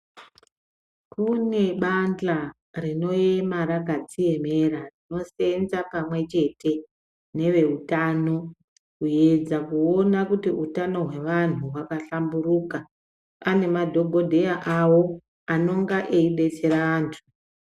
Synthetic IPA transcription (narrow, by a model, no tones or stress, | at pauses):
kune̞ɓand͡ɮa | rino̞jemaɾakat͡sije̞me̞ɾarino̞se̞nd͡zapamwe̞t͡ʃe̞te̞ | ne̞ʋe̞utano̞ | kuje̞d͡zakuo̞nakutiutano̞ɦwe̞ʋan̤uɦwakaɬamburuːka | ane̞madʱo̞ɡʱo̞dʱe̞jaʔawo̞ | ano̞ŋɡaʔeiɓe̞t͡se̞ɾaaːntʰu̥